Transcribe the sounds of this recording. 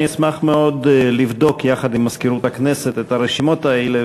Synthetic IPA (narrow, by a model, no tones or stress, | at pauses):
ismaχmeo̞d̪livd̪o̞kjaχad̪imːaskiɾut̪akneset̪et̪aɾeʃimo̞t̪aele